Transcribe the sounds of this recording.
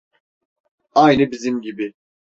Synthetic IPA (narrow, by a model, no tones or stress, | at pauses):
ajnɯbizimɟibi